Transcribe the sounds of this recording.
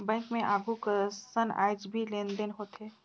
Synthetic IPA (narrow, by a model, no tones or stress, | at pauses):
bɛ̃ːkmẽʔaːɡukəsəna̰ːɪd͡ʒbʱileːnd̪enɦoːt̪ɦeː